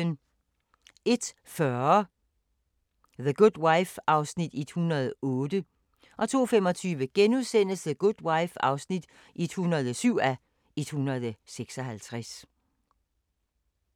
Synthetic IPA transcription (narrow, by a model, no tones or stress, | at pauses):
ən | e̝d̥ | fɶɐɐ | ðəɡ̥ud̥wäɪfɑ̈ʊsnid̥id̥hunɐð̞̩ˠɔ̽ːd̥ə | ʔɒ̽t͡sʰo̝̰ːfemɒ̽t͡sʰyːʋəɡ̥enuðˠsen̰əsðəɡ̥ud̥wɑ̈ɪfɑ̈ʊsnid̥ | ʔid̥hunɐð̞̩ˠɒsyʊ̰æ | id̥hunɐðˠseɡ̥sɒɦælt͡sʰʁas